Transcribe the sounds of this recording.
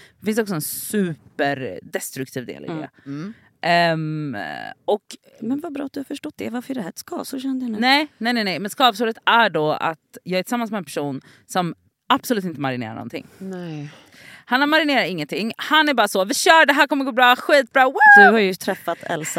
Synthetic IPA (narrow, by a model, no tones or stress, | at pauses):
d̪ɛfɪns̬ɔks̬ɔɛnsʉ̟ːpəɾd̪ɛst̪ɾɵk̚t̪ʰiːvd̪ḛːlɪ̰d̪ḛː | ʔ | ɔk | mɛnvabɾɑ̰ːat̪d̪ɵhafœʂʈɔt̪̚d̪ɛvaɾfəɾɖɛhæɾɛt̪skɑ̰ːvsʊɾɛnd̪ənnɛɪnɛɪnɛnɛjmɛnskɑːvsuːɾət̪æɖɔa̰t̪jɑːɡæɾtʰɪ̥samːansmɛːnpʰʂuːn | sɔm | ab̥sɔlʉ̟ːt̪ɪnt̪əmaɾɪnḛːɾa̰ɳɔ̰nt̪ʰɪ̰ŋːnɛ | hanhaɾmaɾɪneːɾaɾɪŋːənt̪ʰɪŋːhanæɾbɑːɾasɔvɪɕœːɖɛɦæːɾkʰɔmːəɾɡoːbɾɑːɧiːt̪̚bɾɑːwad̪ɵhaɾjɵt̪ʰɾɛfːat̪ʰɛ̰lsa